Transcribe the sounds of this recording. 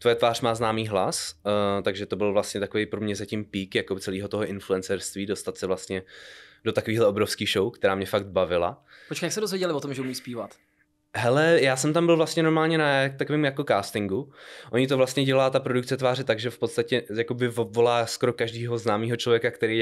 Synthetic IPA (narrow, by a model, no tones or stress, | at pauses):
t̪vo̞jɛt̪vaːr̥maːznaːmiːɦlast̪aɡʒɛt̪o̞bɪlvlast̪ɲɛt̪ako̞vejpɾomɲɛzacimpiːkjakot͡sɛliːɦo̞t̪o̞ɦoʔɪnfluɛnt͡sɛɾst̪viːdo̞st̪at̪sɛvlast̪ɲɛdo̞t̪akoviːɦlɛo̞bɾofskiːxʃo̞wkt̪ɛɾaːmɲɛfaɡ̚d̪̚bavɪla̰pot͡ʃkajaksɛdozvjɛɟɛlɪvot̪omʒɛumiːspiːvat̪ | ɦɛlɛjaːsɛmt̪ambɪlvlast̪ɲɛno̞ɾmaːlɲɛnat̪akovɪːmjako̞kaːst̪ɪŋɡuʔo̞ɲɪt̪ovlast̪ɲɛɟɛlaːt̪apɾo̞duk̚t͡sɛt̪vaːrɛt̪aɡʒɛfpot̪st̪acɛjako̞bɪvovo̞laːsko̞ɾo̞kaʒdiːɦo̞znaːmiːɦot͡ʃlovjɛkakt̪ɛɾej